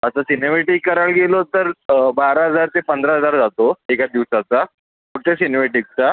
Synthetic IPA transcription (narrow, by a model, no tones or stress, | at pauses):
əsəsinemeʈikːəɾaɭɡelot̪əɾbaɾaɦəd͡zaɾt̪epənd̪ɾaɦəd͡zaɾd͡zat̪oekad̪iʋsat͡sa | kuʈ̪esinemeʈik̚t͡sa